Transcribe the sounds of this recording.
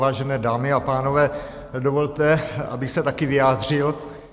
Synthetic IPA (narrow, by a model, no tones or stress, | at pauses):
vaːʒɛnɛːdaːmɪapaːno̞vɛː | dovo̞lt̪ɛa̰bɪxsɛt̪akɪvɪjaːd̪r̝ɪl